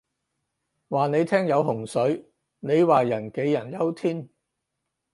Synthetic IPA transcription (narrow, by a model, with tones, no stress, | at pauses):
waː˨˩ne˨˧jt̪ʰɛː˥ŋjɐ˨˧wɦʊ˨˩ŋsɵ˨˧˥ɥ | ne˨˧jwaː˨˩jɐ˨˩nke˨˧˥jːɐ˨˩njɐ˥wt̪ʰiː˥n